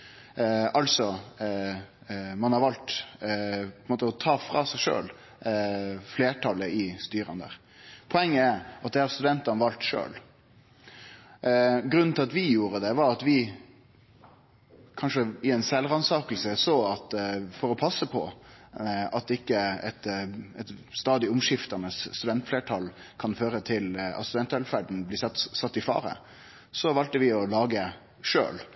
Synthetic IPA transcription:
ɑlsɔ | mɑnhɑɾʋɑlt̪ | pɔɪnmoːt̪əɔt̪ʰɑːfɾɑːsæɪʂø̰ːl | fleːʈʰɑləʔɪst̪yːɾɑ̰nd̪ə̰ɾ | pʰɔɛŋːəæɾʔɑt̪̚d̪ɛɑɾst̪ʉd̪ɛnt̪ɑnəʋɑlt̪ʂø̰ːl | ɡɾʉnnt̪ʰɪlɑt̪ʋɪjuːɾəd̪ɛʋɑɾɑt̪ʋɪ | kʰɑnʂəɪɛɪnsɛlːʁɑnsɑːkəl̩səsoːɑt̪fɔɾɔpʰɑsːəpʰɔ̰ | ɑt̪ɪkːəɛt̪ɛt̪st̪ɑːd̪ɪʊmʂɪft̪ɑnəsːt̪ʉd̪ɛnt̪fleːʈʰɑlkʰɑnføːɾət̪ʰɪlɑ̰st̪ʉd̪ɛnt̪ɛlfæɖ̪n̩blɪːsɑt̪ːɪfɑ̰ːɾə̰ | sɔʋɑlt̪əʋɪɔlɑːɡə | ʂø̰ːl

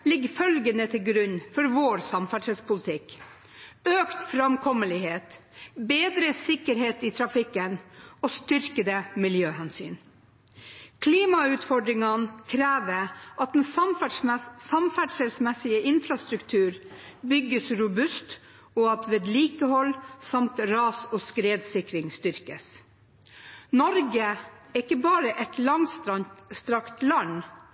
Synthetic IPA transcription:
lɪɡfœlɡənət̪ʰɪlɡɾʉnfɔɾʋoːɾsɑmfæɖʂɛlspʰʊlt̪ʰɪk | øːkt̪fɾɑmkʰɔməlɪheːt̪beːd̪ɾəsɪkːəɾheːt̪iːt̪ʰɾɑfɪkːənost̪ʏɾkəd̪əmɪljøːhɛnsy̰ːn | kʰliːmɑʉːt̪fɔɖɾɪŋənkʰɾæːʋəʔɑt̪̚d̪ɛnsfsɑmfæɖʂɛlsmɛsɪəʔɪnfɾɑst̪ɾʉkt̪ʰʉːɾbʏɡːəsɾʊbʉst̪ | oːɑt̪ʋeːd̪liːkəhɔlsɑmt̪ɾɑːsoːskɾeːd̪sɪkɾɪŋst̪ʏɾkəs | nɔɾɡəɛɪkːəbɑːɾəʔɛt̪lɑŋsst̪ɾɑkt̪lɑn

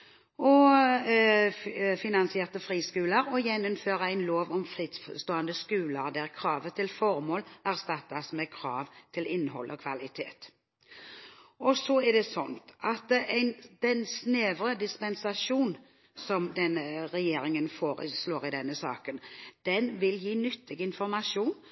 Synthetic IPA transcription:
ɔ | fɪnɑnsɪeːʁt̪əfɾiːskʉːləɾɔjɛnːɔmføːɾəæɪnloːʋɔmfɾiːd̪sst̪oːənd̪əskʉːləʁd̪æʁkʰɾɑːʋət̪ʰɪlfɔʁmoːlæʁst̪ɑt̪ːɑsmɛkʰɾɑːʋt̪ʰɪlɪnːɦɔ̰lːʔɔkʰʋɑlɪt̪ʰḛːt̪ | ɔsɔɛɖɛsɔnt̪ʔɑt̪æɪnd̪̥ɛnsneːʋɾəd̪ɪspɛnsɑʂuːn | sɔmd̪ɛnəʁɛjeːɾɪŋənfoːɾə̰sloːɾɪd̪ɛnːəsɑ̰ːkənd̪̥ɛnʋɪljiːnʏt̪ʰːɪɡɪnfɔɾmɑʂuːn

